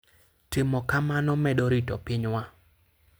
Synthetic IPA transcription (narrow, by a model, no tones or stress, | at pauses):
temɔkamanɔmɛɗɔɾitɔpɪɲwa